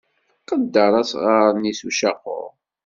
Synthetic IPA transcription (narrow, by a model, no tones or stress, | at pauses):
qəd̪ːəɾˤɑsʁaɾˤnisuʃɑqːʊ̰ɾ